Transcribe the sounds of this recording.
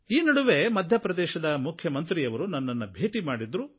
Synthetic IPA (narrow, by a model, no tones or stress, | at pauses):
iːnɐɽuʋe̞mɐd̪ʱjɐpɾɐd̪ɛːʃɐd̪ɐmukʰjɐmɐnt̪ɾiːjɐʋɐɾunɐnːɐnːɐbʱe̞ːʈimaːɽid̪ɾu